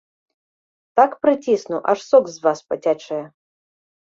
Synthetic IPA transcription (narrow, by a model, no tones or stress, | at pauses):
t̪akpɾɨtʲisnuʔaʂsɔkzvaspɐtʲat͡ʂɐjɛ